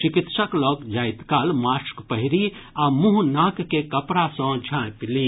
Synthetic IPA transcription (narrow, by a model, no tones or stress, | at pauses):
t͡ʃikit̪səklɔːɡd͡ʒaːɪt̪kaːlmaːskpəɦiɾiamuɦnakːekəpɾasɔ̃d͡ʒʱãpili